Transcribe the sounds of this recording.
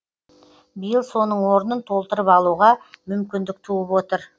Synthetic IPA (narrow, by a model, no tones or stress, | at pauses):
bijəlˠso̞nəɴwo̞ɾənənt̪ʰo̞lˠt̪əɾəpɑlˠuʁɑmʏmkʲɪnd̪ɪk̚t̪ʰuəpwo̞t̪əɾ